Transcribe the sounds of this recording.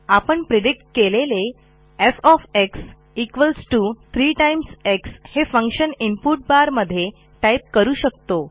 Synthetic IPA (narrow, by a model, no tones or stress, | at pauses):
apəɳpɾeɖik̚ʈkelele | efɔfeks | ikʋəlsʈuːt̪ʰɾiːʈajimsekshefə̃ŋkɕənimpuʈ̚baɾməd̪ʱːje | ʈajp̚kəɾuːɕəkt̪o